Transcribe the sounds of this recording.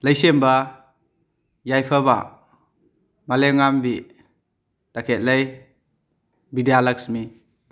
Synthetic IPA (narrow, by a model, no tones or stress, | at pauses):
ləjsemba | jajpʰəba̰ | maleŋambi | takʰet̚ləj | bidijalaksmi